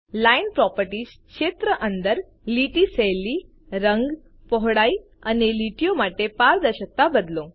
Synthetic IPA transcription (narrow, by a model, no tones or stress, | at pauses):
lajnpɾɔpəɾʈiːskɕet̪ɾəʔənd̪əɾ | liʈiseliː | ɾəŋɡ | pɔɦɽai | aneliʈjomaʈepaɾd̪əɕək̚t̪abəd̪lõŋ